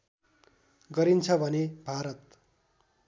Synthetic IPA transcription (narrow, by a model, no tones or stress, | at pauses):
ɡʌɾint͡sʰʌbʱʌnebʱaɾʌt̪̚